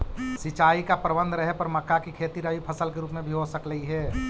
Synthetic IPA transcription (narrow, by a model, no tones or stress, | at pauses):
sɪt͡ʃaːikapɾəbə̃nd̪ʱɾəɦɛpɐɾmɐkːakikʰeːt̪iɾəʋipʰɐsəlkeɾuːpmẽbʱiɦosəkləiɦɛː